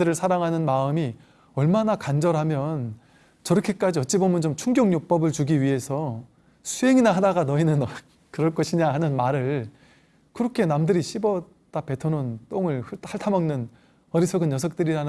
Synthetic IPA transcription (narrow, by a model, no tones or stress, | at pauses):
dɯɾɯɭsʰaɾaŋɦanɯnmaɯmi | ʌɭmanakand͡ʑʌɾɦamjʌn | t͡ɕʌɾʌkʰe̞k͈ad͡ʑiʌt̚t͡ɕ͈ibomjʌnt͡ɕomt͡ɕʰuŋɡjoŋɲok̚p͈ʌbɯɭt͡ɕuɡiɥiɦe̞sʰʌ | sʰuɦe̞ŋinaɦadaɡanʌinɯnʌ | kɯɾʌɭk͈ʌɕʰiɲaɦanɯnmaɾɯɭ | kɯɾʌkʰe̞namdɯɾiɕʰibʌ | d͈ape̞tʰonont͈oŋɯɭɯaɭtʰamʌŋnɯn | ʌdisʰʌɡɯnjʌsʰʌk̚t͈ɯɾiɾanɯ